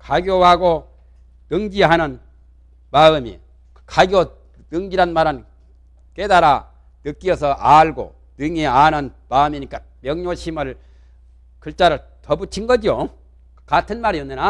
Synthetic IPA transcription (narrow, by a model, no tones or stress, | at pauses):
kaɡjoɦaɡo | tɯŋɡiɦanɯn | paɯmḭ | kaɡjo | tɯŋɡiɾanmaɾan | kedaɾa | nɯk͈iʌsʰʌʔaɭɡo̰ | tɯŋianɯnpaɯmiɲik͈a | mjʌŋɲoɕʰimɯɭ | kʰɯɭt͡ɕ͈aɾɯɭ | tʌbut͡ɕʰinɡʌd͡ʑio | katʰɯnmaɾiʌnːɯna